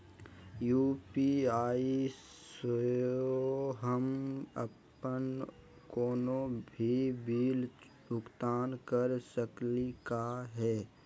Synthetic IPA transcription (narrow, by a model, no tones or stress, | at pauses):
juːpiːaːi | səjooɦəmə̰pː | ən | koːnobʱibʱiːl | bʱʊkt̪aːnkəɾsəklikaɦɛː